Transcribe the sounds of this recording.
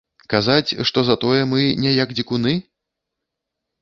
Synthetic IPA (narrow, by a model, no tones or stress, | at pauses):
kazat͡sʲʂt̪ɔzat̪ɔjɛmɨnʲɛjaɡd͡zʲikunɨ